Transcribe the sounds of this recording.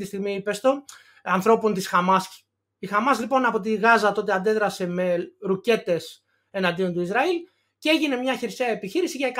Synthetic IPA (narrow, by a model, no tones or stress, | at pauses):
t̪ist̪iɣmipest̪o̞ | ɐnθɾo̞pont̪isxɐmɐs | ixɐmɐzlipo̞nɐpo̞t̪̬iɣɐzɐt̪o̞t̪e̞ɐnd̪e̞ðɾɐse̞me̞ɾuce̞t̪e̞s | e̞nɐnd̪io̞nt̪uizɾɐil | cee̞ʝine̞mɲɐçeɾseɐepiçiɾisiʝɐek